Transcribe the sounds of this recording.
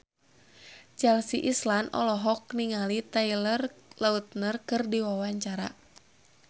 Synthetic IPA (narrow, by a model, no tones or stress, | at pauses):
t͡ʃɛlsiʔislanɔ̰lɔɦɔk̚niŋalit̪ailərlaut̪̚nərkɨrdiwawaɲt͡ʃaɾa̰